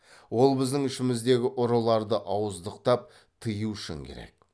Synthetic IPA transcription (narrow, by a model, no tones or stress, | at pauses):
wo̞lˠbɪzd̪ɪŋʏʃɪmɪzd̪e̞ɡʲɪʔʊɾəlˠɑɾd̪əʔɑwəzd̪əqt̪ɑp̚ | t̪ʰəjuʏʃɪ̰ŋkʲʰḛɾe̞̰k̚